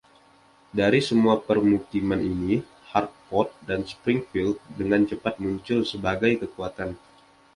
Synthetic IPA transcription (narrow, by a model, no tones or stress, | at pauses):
daɾisəmuapərmukimanini | hart̪̚fɔt̪̚danspɾɪŋfild̪̚dəŋant͡ʃəpat̪̚muɲt͡ʃʊlsəbaɡajkəkuat̪an